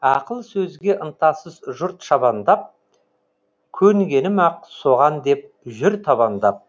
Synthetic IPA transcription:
ɑqəlˠsɵzɡʲe̞ʔənt̪ɑsəzʒʊɾt̪ʃɑβɑnd̪ɑp̚ | kʲʰɵŋɡʲe̞nɪmɑqso̞ʁɑnd̪e̞p̚ʒʏɾt̪ʰɑβɑnd̪ɑp̚

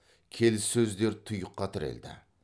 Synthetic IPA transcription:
kʲʰe̞lsɵzleɾt̪ʰʊjʊqːɑt̪ʰɪɾḛld̪ɪ̰

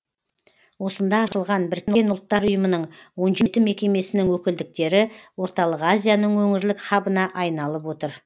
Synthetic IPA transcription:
wo̞sənd̪ɑɑʃəlˠʁɑnbɪɾkʲenʊlˠt̪ːɑɾʊjəmənəɴwo̞nʒet̪ɪme̞kʲe̞me̞sɪnɪŋwɵkʲɪld̪ɪk̚t̪e̞ɾɪwo̞ɾt̪ɑlˠəqazʲijanəɴwɵŋɪɾlɪkχɑbənɑʔɑjnɑlˠəpwo̞t̪əɾ

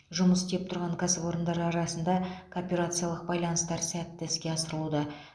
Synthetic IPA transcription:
ʒʊməst̪ep̚t̪ʰʊɾʁɑɴkʰɑsəpo̞ɾənd̪ɑɾɑɾɑsənd̪ɑkʰoːpʲe̞ɾat̪sɨjalˠəq̚bɑjlˠɑnəst̪ɑɾsæt̪ːɪskʲe̞ɑsəɾəlˠud̪ə

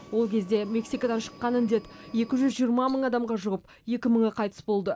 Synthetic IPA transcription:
wo̞lˠkʲʰe̞zd̪e̞me̞ksikod̪ɑnʃə̥qːɑnɪnd̪e̞t̪je̞kʲɪʒʏzʒijəɾmɑməɴɑd̪ɑmʁɑʒʊʁəp | je̞kʲɪməɴəqʰɑjt̪ə̥sbo̞lˠd̪ə

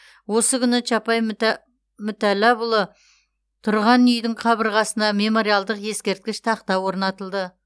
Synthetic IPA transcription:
wo̞səkʲʰʏnɪt͡ʃɑpɑj | mʏt̪ælæbʊlˠə | t̪ʰʊɾʁɑnʏjd̪ɪɴqʰɑbəɾʁɑsənɑme̞mo̞ɾijalˠd̪əqje̞skʲe̞ɾt̪̚kʲɪʃt̪ʰɑqt̪ɑwo̞ɾnɑt̪əlˠd̪ə

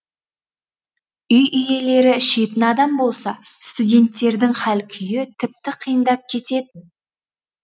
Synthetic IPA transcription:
ʏjʔʏje̞le̞ɾɪʃe̞t̪ɪnɑd̪ɑmbo̞lˠsɑst̪udʲe̞nt̪ːe̞ɾd̪ɪŋχælkʲʰʏjɪt̪ʰɪp̚t̪ɪqʰijənd̪ɑp̚kʲʰe̞t̪e̞t̪ɪn

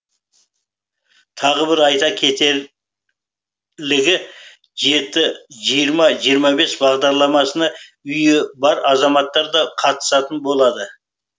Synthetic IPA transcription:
t̪ʰɑʁəbɪɾɑjt̪ɑkʲʰe̞t̪e̞ | lɪɡʲɪ | ʒe̞t̪ːɪʒijəɾmɑʒijəɾmɑbe̞sbɑʁd̪ɑɾlˠɑmɑsənɑ | ʏjɪbɑɾɑzɑmɑt̪ːɑɾd̪ɑqʰɑt̪ə̥sɑt̪ənbo̞lˠɑd̪ə

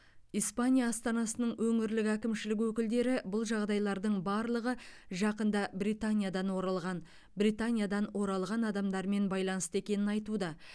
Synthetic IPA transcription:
ijspanʲijaːst̪ɑnɑsənəɴwɵŋɪɾlɪkækʲɪmʃɪlɪk̬wɵkʲɪld̪e̞ɾɪbʊlˠʒɑʁd̪ɑjlˠɑɾd̪əɴbɑɾlˠəʁəʒɑqənd̪ɑbrit̪anʲijad̪ɑnwo̞ɾɑlˠʁɑn | brijt̪anʲijad̪ɑnwo̞ɾɑlˠʁɑnɑd̪ɑmd̪ɑɾme̞nbɑjlˠɑnəst̪e̞kʲe̞nɪnɑjt̪ud̪ɑ

